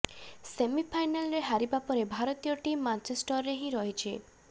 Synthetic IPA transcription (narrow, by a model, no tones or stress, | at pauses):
semipʰajnalɾeɦaɾibapɔɾebʱaɾɔt̪ijɔʈimːant͡ʃesʈɔɾːeɦĩɾɔɦit͡ʃʰi